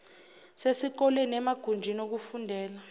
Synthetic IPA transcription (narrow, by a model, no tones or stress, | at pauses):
sesik̬ɔlɛnɛmaɡ̥ʱund͡ʒʱinok̬ufundʱɛːla